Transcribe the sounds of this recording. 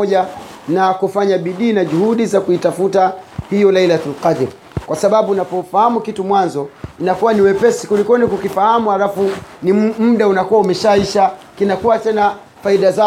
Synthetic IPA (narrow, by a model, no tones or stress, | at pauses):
ɔʄa | nakufaɲaɓiɗiːnaʄuhuɗizakuitafutahijɔlailatalqad̪ɾi | kwasaɓaɓunapɔfahamukitumwanzɔinakuwaniwɛpɛsikulikɔnikukifahamuhalafunim̩ɗaunakuwaumɛʃaiʃakinakuwatɛna | faiɗaza